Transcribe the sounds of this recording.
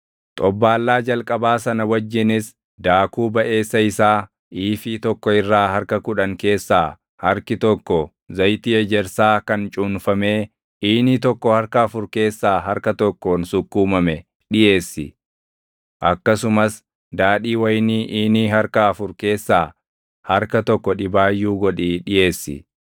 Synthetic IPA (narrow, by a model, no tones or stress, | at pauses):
t̪ʼɔbːaːlːaːd͡ʒɐlkʼɐbaːsɐnɐwɐd͡ʒːɪnɪs | d̪aːkuːbɐʔe̞ːsːɐɪsaː | ʔiːfiːt̪ɔkːɔɪrːaːhɐɾkɐkʊᶑɐŋke̞ːsːaː | hɐɾkɪt̪ɔkːɔ | zɐjt̪iːɛd͡ʒɛɾsaːkɐnt͡ʃʼuːnfɐme̞ː | ʔiːnit̪ɔkːɔhɐɾkɐːfʊɾke̞ːsːaːɦɐɾkɐt̪ɔkːoːnsʊkːuːmɐmɛ | ɗɪʔe̞ːsːɪ̰ | ʔɐkːɐsʊmɐs | d̪aːᶑiːwɐjniːʔiːniːhɐɾkɐɐfʊɾke̞ːsːaː | hɐɾkɐt̪ɔkːɔᶑɪbaːjːuːɡɔᶑiːᶑɪjʔe̞ːsːɪ̰